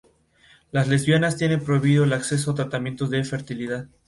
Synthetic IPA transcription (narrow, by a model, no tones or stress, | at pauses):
lazle̞zβjonast̪je̞ne̞mpɾoiβiðo̞elakse̞s̬oat̪ɾat̪amje̞nt̪o̞zðe̞fe̞ɾt̪iliðað